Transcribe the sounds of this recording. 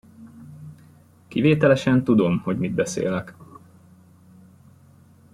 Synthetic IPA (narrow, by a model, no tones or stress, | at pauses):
kiveːt̪ɛlɛʃɛnt̪ud̪o̞mho̞ɟmid̪bɛsḛːlɛk